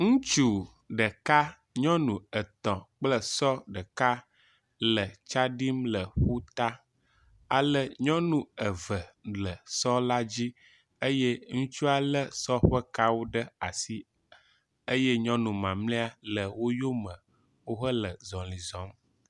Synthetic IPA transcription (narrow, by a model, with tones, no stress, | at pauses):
ŋũ˦t͡ʃu˦ | ɖə˨ka˦ | ɲɔ̃˦nũ˨ə˨t̪ɔ̃˨k͡plə˦sɔ˦ɖə˨ka˦ | lə˨t͡ʃa˦ɖi˦mlə˨ɸu˦t̪a˦ | a˨lə˦ɲɔ̃˦nũ˨ə˨və˨lə˨sɔ˦la˦d͡ʑi˦ | ə˦je˦ŋũ˦t͡ʃu˦a˨lə˦sɔ˦ɸə˦ka˦wo˦ɖə˦a˨si˦ | ə˦jɛ˦ɲɔ̃˦nũ˨mã˨mlɛ̃˦a˦lə˨wo˦jo˦mə̃˨ | wo˦ɦə˦lə˨zɔ̃˨lĩ˨zɔ̃˨˦m